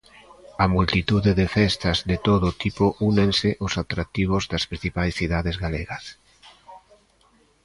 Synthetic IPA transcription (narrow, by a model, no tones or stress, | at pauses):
ɐmult̪it̪uðeðefɛst̪ɐzðet̪oðʊt̪ipʊʔunensɪʔʊsat̪ɾak̚t̪iβ̞ozðaspɾĩn̟θipajsθiðaðezɣaleɣɐs